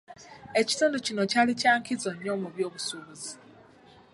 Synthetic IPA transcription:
e̞ci̥tuːnducinocalicaːŋkʰizoɲːomuβjo̞ːβusuβuzi

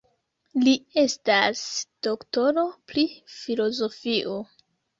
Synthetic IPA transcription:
lie̞stasd̥o̞kto̞ɾo̞pɾifilo̞zo̞fiʔo

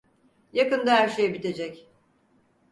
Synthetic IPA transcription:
jakɯnd̪aɦæɾʃejɛbit̪e̞d͡ʒɛc

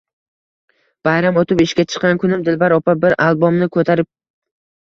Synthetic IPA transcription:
b̥ajɾamot̪ʰɪpɪʃkʲat͡ʃʰɨ̥qːɑnkʰʊnɪmd̪ɪlbaɾɒpʰabɪɾʔalˠbomnɪkʰɵt̪ʰaɾɪp̚

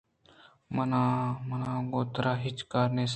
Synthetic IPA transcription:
mənaːmənãːɡoːt̪ɾaːɦɪt͡ʃkaːɾneːs

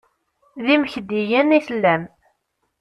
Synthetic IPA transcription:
ðiməçd̪ijəniθəlːæm

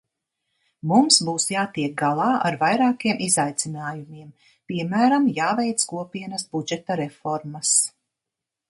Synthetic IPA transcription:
mumsbuːsjaːt̪iɛk̚ɡalˠɑːʔa̰ɾvajɾaːkiɛmʔizajt̪sinaːjumiɛm | piɛmæːɾamjaːvɛjt̪skuɔpiɛnɐsbud͡ʒɛt̪aɾɛfɔɾmas

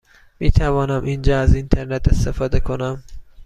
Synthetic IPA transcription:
miːt̪ʰævɒːnæmʔind͡ʒɒːæzint̪ʰeɾnet̪ʰest̪efɒːd̪ekʰonæm

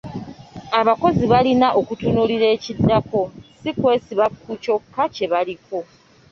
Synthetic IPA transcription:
aβako̞ziβalinaʔo̞kutunuliɾe̞ːcidːako̞sikwe̞ːsiβakːuco̞kːace̞βaliko̞

